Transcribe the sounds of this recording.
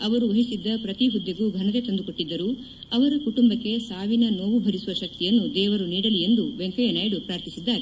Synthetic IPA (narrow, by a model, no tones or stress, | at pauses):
ɐʋɐɾuʋɐɦisid̪ːɐpɾɐt̪iɦud̪ːjɐɡuːɡʱɐnɐɾe̞t̪ɐnd̪uko̞ʈːid̪ːɐɾu | ɐʋɐɾɐkuʈumbɐkːe̞saːʋinɐno̞ːʋubʱɐɾisuʋɐʃɐk̚t̪ijɐnːud̪ɛːʋɐɾuniːɽɐlije̞nd̪uʋeŋkɐjɐnɐːjɽupɾaːɾt̪ʰisid̪ːaːɾe